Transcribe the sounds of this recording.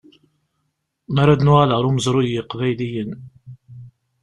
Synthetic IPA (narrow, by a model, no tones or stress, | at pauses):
mæɾæd̪nʊʁaləʁɾˤʊməzɾˤujjəqvæjlijən